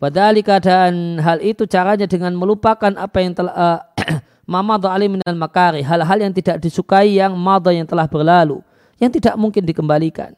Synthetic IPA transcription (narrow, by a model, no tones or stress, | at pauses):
wad̪alikəadaʔːnɦalit̪ut͡ʃaɾaɲadəŋanməlupakanʔapajaŋt̪əla | mamad̪ˤɑaliminalmakaɾiɦalɦaljaŋt̪idaʔdisukaijaŋmad̪ˤɔjaŋt̪əlahbərlalṵ | jaŋt̪idaʔmuŋkɪndikəmbalika̰n